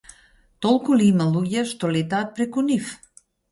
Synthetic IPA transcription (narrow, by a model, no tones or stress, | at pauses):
t̪olˠkulimɐlujast̪olit̪at̪̚pɾekunif